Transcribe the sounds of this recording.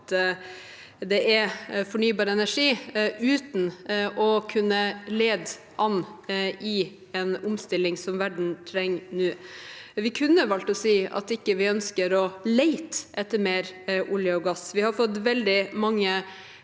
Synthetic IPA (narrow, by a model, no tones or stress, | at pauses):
d̪ɛʔæfɔɳyːbɑːɾəɛnæʂiːʉːt̪nʔɔkʰʉnːəleːd̪ | ʔɑnɪ | ɛnʊmst̪ɪlɪŋsɔmʋæɖɳ̩t̪ʰɾɛŋːnʉːʋɪkʰʉnːəʋɑlt̪ɔsiːɑ̰t̪ɪkːəʋɪœnskəɾɔlæɪt̪ʔɛt̪ːəɾmeːɾʔʊljəɔɡɑsʋɪhɑɾfɔt̪ːʋɛld̪ɪmɑŋːə